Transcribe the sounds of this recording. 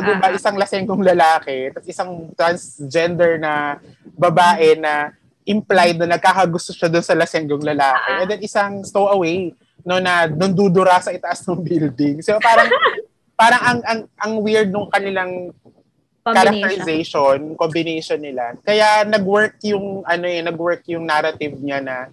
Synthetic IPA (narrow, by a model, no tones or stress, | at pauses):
ɐɡ̪ɪbaʔɪsaŋlɐsɛŋɡoŋlɐlaːkɛt̪ɐt̪ʔɪsaŋt̪ɾɐnsd͡ʒɛnd̪ɛɹnɐ | bɐbaːʔɛnɐ | ʔɪmplaj̪̚nɐnɐɡ̚kaːkɐɡʊst̪oʃad̪ʊnsɐlɐsɛŋɡoŋlɐlaːkɛʔɛnd̪ɛnʔɪsaŋst̪owʔɐwej | nonɐnɐnd̪ud̪ʊɾasɐʔɪt̪ɐʔɐsnʊŋbild̪ɪŋsoɐpaːɾɐŋ | paːɾɐŋɐŋʔɐŋʔɐŋwɪɹd̪̚nʊŋkɐnɪlaŋ | kɐɾɐk̚t̪ɛɾɪzɛjʃonkombɪnejʃonːɪlakɐjanɐɡwɛɹkjʊŋʔɐnoɛnɐɡwɛɹkjʊŋnaɾɐt̪ɪvɲanɐ